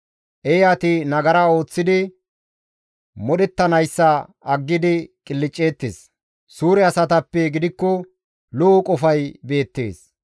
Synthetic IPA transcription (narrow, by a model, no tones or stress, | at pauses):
ʔɛjaːt̪ɪnɐɡɐɾɐo̞ːt͡sːɪd̪ɪ | mɔɗɛt̪ːɐnɐjsːɐ | ɐɡːɪd̪ɪkʼɪlːɪt͡ʃʼːeːt̪ːḛːs | suːɾɛɐsɐt̪ɐpːɛɡɪd̪ɪkːɔ | lɔːkʼɔfɐjbe̞ːt̪ːe̞̰ːs